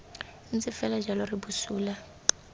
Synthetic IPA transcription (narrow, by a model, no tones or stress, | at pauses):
nt͡sʼɪfɛlad͡ʒalɔribusuːla